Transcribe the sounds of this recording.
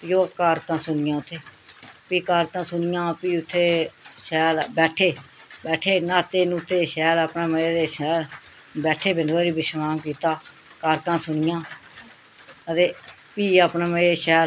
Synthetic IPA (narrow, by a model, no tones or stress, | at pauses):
joːkaːɾkãːsʊnɪjãːʊt̪ʰːeːpiːkaːɾkãːsʊnɪjãːpiːʊt̪ʰːeːʃɛːlbɛːʈʰeː | bɛːʈʰeːnaːt̪eːnũːt̪ʰːeːʃɛːləpneːməeːd̪eːʃɛːl | bɛːʈʰeːbɪnd̪ʋaːɾiːbɪʃmaːŋkiːt̪aː | kaːɾkãːsʊnɪjãː | ət̪eː | piːaːpneːməeːʃɛː